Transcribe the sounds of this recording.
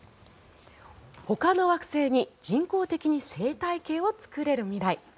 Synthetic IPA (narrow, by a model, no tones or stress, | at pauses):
ho̞kano̞βakɯ̟̥se̞ːɲ̟id͡ʑĩŋko̞ːt̪e̞kʲiɲ̟ise̞ːt̪aike̞ːo̞t͡sɨ̥kɯ̟ɾe̞ɾɯ̟mʲiɾai